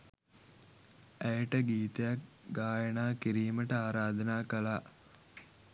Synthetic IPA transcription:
æjəʈəɡiːt̪ejak | ɡaːjənaːkiɾiːməʈəaːɾaːd̪ənaːkəlaː

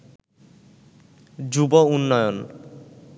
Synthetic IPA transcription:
d͡ʑubɔunːɔjɔn

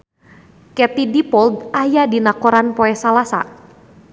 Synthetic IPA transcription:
kɛt̪idipɔld̪ajadinakɔɾanpɔɛsalasa̰

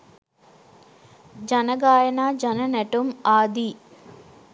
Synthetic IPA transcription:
d͡ʒɐnɐɡaːjɐnaːd͡ʒɐnɐnɛʈumaːd̪i

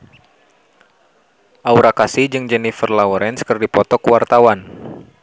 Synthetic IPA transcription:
ʔauɾakasid͡ʒɨŋd͡ʒɛnifərlauɾɛnskərdipɔt̪ɔkwart̪awan

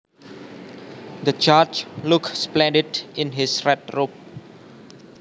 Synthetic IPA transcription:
d̪ət͡ʃat͡ʃlʊksplɛ̃ndɪdɪ̃nɦɪsɹɛt̚rʊp̚

